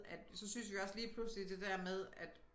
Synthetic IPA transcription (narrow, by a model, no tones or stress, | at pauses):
æd̥sɒ̽syn̰sʋiɒ̽sliːpʰluslid̥e̝d̥æɐ̰með̞ˠæd̥